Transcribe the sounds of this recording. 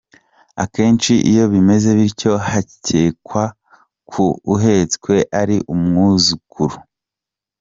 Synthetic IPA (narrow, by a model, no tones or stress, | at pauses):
a̰ke̞ːnt͡ʃiʔḭjo̞βime̞ze̞βiɾco̞haceːkwa | kʰuːɦe̞t͡skwe̞ʔaɾiʔumŋuzukʰuɾu